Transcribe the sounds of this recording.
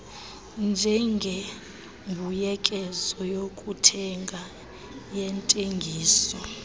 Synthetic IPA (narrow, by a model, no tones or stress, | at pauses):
nd͡ʒʱɛŋɡʱe | mbʱujɛkʼɛzɔjokʼutʰɛŋɡʱa | jɛntʼeŋɡʱiːsɔ